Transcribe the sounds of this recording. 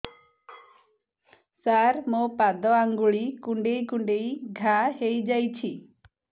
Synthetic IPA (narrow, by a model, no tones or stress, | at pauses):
saɾmopad̪ɔaŋɡuɭikuɳɖejkuɳɖejɡʱahejd͡ʒajt͡ʃʰi